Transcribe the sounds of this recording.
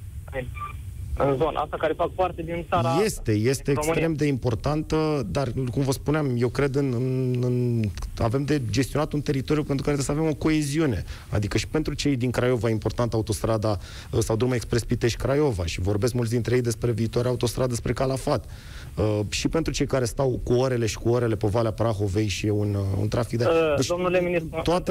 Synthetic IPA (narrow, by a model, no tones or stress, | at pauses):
ɨnzon̰ʔast̪akaɾefak̚part̪ed̪int̪saje̞st̪e̞je̞st̪e̞ːkst̪ɾɾe̞md̪e̞impo̞rt̪ant̪əd̪arkumvəspuneamje̞wkɾe̞d̪ɨnɨɨnave̞md̪e̞d͡ʒe̞st̪ionat̪unt̪e̞ɾit̪o̞ɾjupe̞nt̪ɾukaɾeesəavemo̞ko̞e̞ziune̞ | a̰d̪ikəʃi̥pe̞nt̪ɾut͡ʃe̞jd̪iŋkɾajo̞vaimpo̞rt̪ant̪aut̪o̞st̪ɾad̪a | sawd̪uɾmaekspɾespit̪eʃkɾajo̞va̰ʃivo̞rbe̞skmult̪s̬d̪int̪ɾejejd̪e̞spɾe̞viːt̪oaɾaut̪o̞st̪ɾad̪d̪espɾe̞kalafat̪ | əʃipe̞nt̪ɾut͡ʃe̞jkaɾe̞st̪awkuoɾe̞le̞ʃi̥kuoɾe̞le̞povaleapɾaxo̞ve̞jʃiunṵnt̪ɾafik̚d̪aet͡ʃd̪omnuleminist̪oat̪